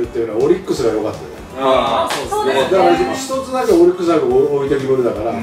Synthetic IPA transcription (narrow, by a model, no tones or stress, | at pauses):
ɾɯ̟t̪ːejɯ̟niao̞ɾʲikːɯsɨɡajokat̪ːad̪ | d̪d̪aaimoɕi̥t̪o̞t͡sɨnakeoɾʲikːɯ̟s̬ɨnakɯoit̪eɡʲimɯɾɯ̟d̪akaɾa